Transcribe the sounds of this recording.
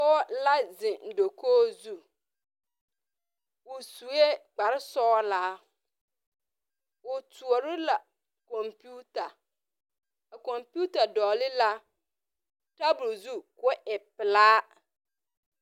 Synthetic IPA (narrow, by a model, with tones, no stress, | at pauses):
ɔ˦la˦d͡zɪ̃˨n̩˨do˨kʰoː˦zu˦ | wʊ˨su˨e˦k͡pa˨ɾɪ˦sɔː˦la˦ | ʊ˨tʰu˨ɔ˨ɾɪ˦la˨ | kɔ̃˨mpʰu˦ta˨ | kɔ̃˨mpu˦ta˨dɔː˨lɪ˦la˦ | ta˦bu˨lzu˦kʊ˦ʔɛ˨pɪ˨laː˦